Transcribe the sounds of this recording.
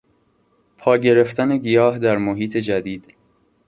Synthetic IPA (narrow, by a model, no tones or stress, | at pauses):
pʰɒːɟe̞ɾe̞ft̪ʰæne̞ɡijɒːɦd̪æɾmoɦiːt̪ʰe̞d͡ʒæd̪iːd̪̥